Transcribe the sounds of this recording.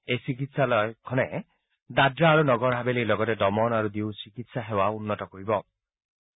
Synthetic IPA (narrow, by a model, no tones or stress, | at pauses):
esik̬it̪salɔekʰɔne | d̪adɾaːɾunɔɡɔɾɦabelejlɔɡɔt̪edɔmɔnaɾud̪iwsikit̪saɦewaunːɔtɔkoɾibɔ